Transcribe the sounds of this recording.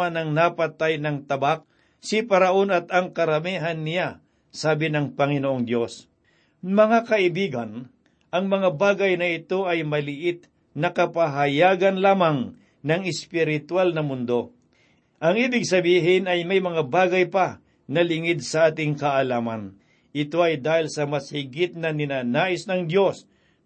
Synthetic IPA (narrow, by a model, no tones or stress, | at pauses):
anɐŋnapɐt̪ajnɐŋt̪ɐbak̚ | sɪpɐɾɐʔo̞nɐt̪ɐŋkɐɾɐmiɦɐnːɪja | saːbɪnɐŋpɐŋɪnoʔoŋd̪jo̞s | mɐŋakɐʔɪbiːɡɐn | ʔɐŋmɐŋabaːɡɐjnɐɪt̪o̞ʔɐjmɐlɪʔɪt̪̚ | nɐkɐpaɦɐjaːɡɐnlaːmaŋ | nɐŋɪspɪɾɪt̪walnɐmʊnd̪o̞ | ʔɐŋiːbɪɡ̚sɐbiːɦɪnɐjmɐjmɐŋabaːɡɐjpa | nɐlɪŋɪd̪̚sɐʔaːt̪ɪŋkɐʔɐlaːmɐn | ʔɪt̪o̞ʔɐjd̪aːhɪlsɐmɐshɪɡɪt̪̚nɐnɪnanaːʔɪsnɐŋd̪jo̞s